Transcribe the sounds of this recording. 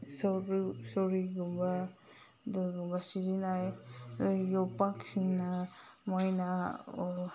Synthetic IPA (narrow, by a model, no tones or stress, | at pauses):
sɾsɔɾiɡumba | dɯɡumbasizinaj | jɔpaksiŋnamɔjna